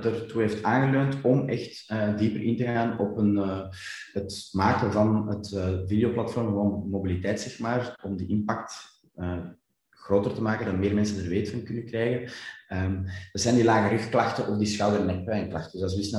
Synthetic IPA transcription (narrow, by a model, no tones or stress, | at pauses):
tərtuɦeːftaːnɣəløːntɔmɛxt | ədiːpərʔɪntəɣaːnɔpən | ɦətmaːkəvɑnətːvidejoplɑtfɔrmɣəʋoːnmobilitɛːtsɛxmaːrɔmdəʔɪmpɑk̚t | əː | ɣroːtərtəmaːkəndɑnmeːrmɛnsənərʋeːtəfɑnkʏnəkrɛːjɣənəːmdərzɛːndilaːɣəɾʏxklɑxtəʔɔfdiːsxɑwdərnɛk̚pœːnklɑxtəzɑsisn